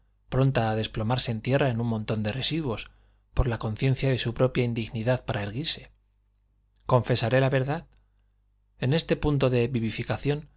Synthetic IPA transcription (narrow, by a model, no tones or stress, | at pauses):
pɾo̞nt̪aːðe̞splo̞maɾse̞ːnt̪je̞rae̞nunmõ̞nt̪o̞nd̪e̞resiðwo̞s | po̞ɾlako̞nθje̞n̟θjaðe̞supɾo̞pjaind̪iɣniðaðpaɾae̞ɾɣiɾse̞̥ | ko̞ɱfe̞saɾe̞laβe̞ɾðað | e̞ne̞st̪e̞punt̪o̞ðe̞βiβifikaθjo̞n